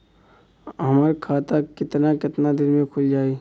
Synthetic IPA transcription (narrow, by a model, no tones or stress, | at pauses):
ɦɐmɾkʰaːt̪akɪt̪nakɪt̪nad̪ɪlmẽkʰʊld͡ʒaːeː